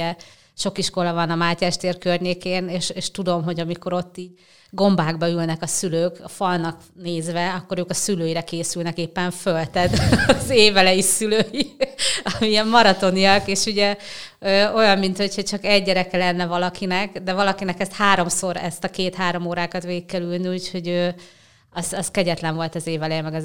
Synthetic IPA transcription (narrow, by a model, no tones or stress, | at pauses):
ɛ | ʃo̞kiʃko̞lɒvɒnɒmaːcaːʃt̪eːrkørɲeːkeːneːʃeːʃt̪ud̪o̞mɦo̞ɟɒmiko̞ɾo̞t̪ːiːɟ | ɡo̞mbaːɡbɒylnɛkɒsyløːkfɒlnɒk | neːzʋɛɒkːo̞ɾøːkɒsyløːjiɾɛkeːsylnɛkeːpːɛɱfølt̪ɛd̪ɒzeːvɛlɛjisyløːjiɒmiiɛmːɒɾɒt̪o̞nijɒkeːʃuɟɛøːo̞jɒmːint̪ho̞cho̞ct͡ʃɒkɛɟːɛɾɛkɛlɛnːɛvɒlɒkinɛkd̪ɛvɒlɒkinɛkɛst̪haːɾo̞mso̞ɾɛ̰st̪ɒkeːt̪haːɾo̞moːɾaːkɒt̪veːkːɛlylniucho̞ɟøː | ɒzɒskɛɟɛt̪lɛɱvo̞lt̪ɒzeːvɛlɛmɛɡɒ